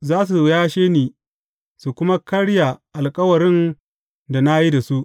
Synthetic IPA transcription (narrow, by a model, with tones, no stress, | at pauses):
zaː˦s̬u˨jaː˦ʃeː˦niː˨ | su˨kʷʊ˦ma˦kɐ˦ɽja˨ʔa˨lkʼɐ˦wɐ˨ɾɪ˦n | da˨na˦ji˦da˨su˦ʔ